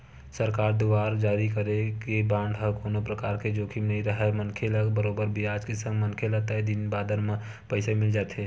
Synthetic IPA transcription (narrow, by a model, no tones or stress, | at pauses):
səɾkaːɾd̪uʋaːɾd͡ʒaːɾikəɾekebãːɳɖɦəkoːnopɾəkaːɾked͡ʒoːkʰimnəɦĩɾəɦɛmənkʰeləɡbəɾoːbəɾbʱiaːd͡ʒkesə̃ŋɡmənkʰelət̪əed̪ɪnbaːd̪əɾmẽ | pəɪsemɪld͡ʒaːt̪ɦeː